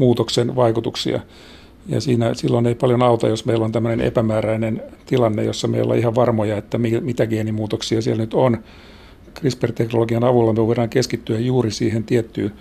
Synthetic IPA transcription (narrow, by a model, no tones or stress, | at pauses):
muːt̪oksenʋɑikut̪uksḭɑ̰ | jɑ̰siːnæsilːoneipɑljonɑut̪ɑ̰josmeilːont̪æmːønenḛpæmæːræinent̪ilɑnːḛjo̰sːɑmḛilːɑ̰ihɑʋʋɑrmojɑet̪ːæmimit̪æɡeːnimuːt̪oksiɑsiɛlnyt̪on | krispert̪eknoloɡiɑnɑʋulːɑmyeʋoiɾɑːŋkeskit̪ːyæjjuːrisiːhent̪iet̪ːyː